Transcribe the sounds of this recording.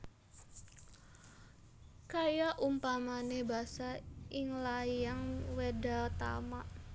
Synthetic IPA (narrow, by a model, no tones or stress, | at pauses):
kajaʔumpamanebasaɪŋlajaŋwedat̪a̰maʔ